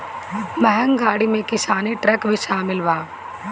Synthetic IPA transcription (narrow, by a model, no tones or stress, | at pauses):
mɛɦɛ̃ŋɡaːɽimẽkɪsaːneʈɾɛːkbʱiʃaːmɪlʋaː